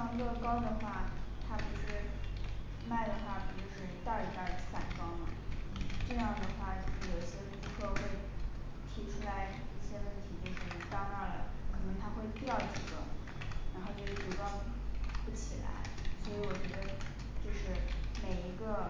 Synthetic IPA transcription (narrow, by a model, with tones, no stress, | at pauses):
ŋi˧˥ɡə˥˧kɑ˥ʊd̪ə˨xwa˥˩t̪ʰa˥pu˧˥ʂɻ̩˥˧ | ma˥˩ɪd̪ə˩xwa˥˩pi˨˩t͡ɕo˥˧ʊʂɻ̩˥˧˥t̪ɑ˥˩i˧˥t̪a˥˧˩sa˥˩nkɑ˥ʊmə˨˩˧ʈ͡ʂɤ˥˧jɑ˥˩ŋd̪ə˩xwa˥˩t͡ɕjo˧ʂɻ̩˥˩jo˨˩ʊɕjɛ˥wʈ͡ʂ̩˥kʰo˥˧ʊxwe˥˩ɪ | t̪ʰi˧˥ʈ͡ʂʰu˥la˧˥ɪi˥˩ɕjɛ˥wə˥˩nt̪ʰi˧˥t͡ɕjo˥˧ʊʂɻ̩˥˩˥t̪ɑ˥ŋa˥˩lə̰˩kʰɤ˨˩nɤ˧˥ŋt̪ʰa˥xwe˥˧ɪpjɑ˥˩ʊʈ͡ʂ̩˧˥˩ʈ͡ʂɤ̰˨˩ | ɻa˧˥nxo˥˧ʊt͡ɕjo˥˧ʊʂ̩˥˩u˧˥kɑ˥˧ʊ | pu˥˩t͡ɕʰi˨˩la̰˧˥ɪswɔ˧˥i˧˥wɔ˨˩t͡ɕɥɛ˧˥d̪ə˧ | t͡ɕjo˥˧ʊʂɻ̩˥˩me˨˩ɪi˧˥ɡə˧